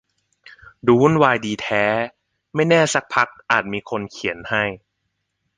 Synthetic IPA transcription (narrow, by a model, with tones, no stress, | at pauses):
duː˦˥˨nwaː˧jdiː˧t̪ʰɛː˦˥ | ma˥˩jnɛː˥˩sa˦˥k̚pʰa˦˥k̚ʔaː˨˩t̪̚miː˧kʰo˧nkʰi˨˩˦ənha˥˩j